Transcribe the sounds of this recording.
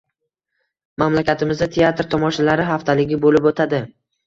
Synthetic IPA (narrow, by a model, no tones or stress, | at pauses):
mamlakʲat̪ʰɪmɪzd̪at̪ʰeat̪ɾt̪ʰɒmɒʃalaɾɪɦaft̪ʰalɪɡʲɪbolɪpot̪ʰad̪ɪ